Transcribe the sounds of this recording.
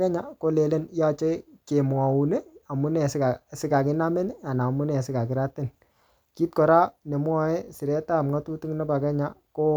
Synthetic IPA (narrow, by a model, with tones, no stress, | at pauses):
kɛ˦ɲa˨ko˦le˨le˦nja˦t͡ʃe˦ke˨m˨a˨wu˨ne˦a˨mu˦nɛ˨skasɪ˦ka˨kɪ˦na˦mɛ˦n˦a˨na˨mu˦nɛ˨sɪ˦ka˨k̬ɪ˨ɾa˦tɪ˦˨n | ki˦t̚kɔ˨ɾa˦ne˨m˦ɔ˦ɛ˦sɪ˨ɾɛ˦ta˦˨mŋa˦tu˦tu˦ŋna˦pa˨kɛ˦ɲa˨ko˦